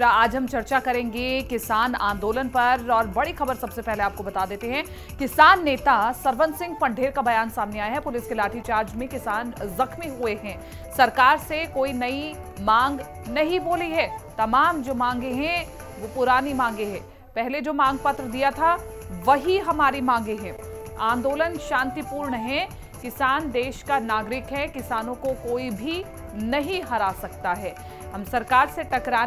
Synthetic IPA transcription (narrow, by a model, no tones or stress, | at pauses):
aːd͡ʒɦɐmt͡ʃɐɾt͡ʃakɐɾẽːŋɡekɪsaːnã̰ːnd̪oːlənpɐɾɔːɾbɐɽixɐbəɾsɐbsepɛɦleaːp̚kobɐt̪aːd̪eːt̪eɦɛ̃ | kɪsaːnːeːt̪asɐɾʋənsɪ̃ŋɡ̚pɐ̃ɳɖʱeːɾkabɐjaːnsaːmneaːjaɦɛpʊlɪskelaːʈʰit͡ʃaːɾd͡ʒmẽkɪsaːnzɐxmiɦueɦɛ̃ː | sɐɾkaːɾsekoːinɐi | mãːŋɡ | nɐɦĩboːliɦɛːt̪ɐmaːmd͡ʒoːmãːŋɡeɦɛ̃ | ʋopʊɾaːnimãːŋɡeɦɛ̃ː | pɛɦled͡ʒoːmãːŋɡpɐt̪ɾəd̪ijat̪ʰa | ʋɐɦiɦɐmaːɾimãːŋ̆ɡeɦɛ̃ | ãːnd̪oːlənʃãːnt̪ipuːɾɳəɦɛ̃ | kɪsaːnd̪eːʃkanaːɡɾɪkɦɛkɪsaːnõkokoːibʱi | nɐɦĩɦɐɾaːsɐk̚t̪aɦɛː | ɦɐmsɐɾkaːɾset̪ɐkɾaː